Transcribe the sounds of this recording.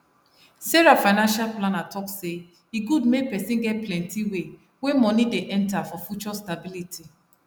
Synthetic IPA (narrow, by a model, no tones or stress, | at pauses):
seɹafaɪnãnʃalplãnatʰɔkse | iɡudmepɛsĩnɡɛt̚plɛ̃ntiwe | wẽmɔnideʔɛ̃ntafɔfjut͡ʃɔstabiliti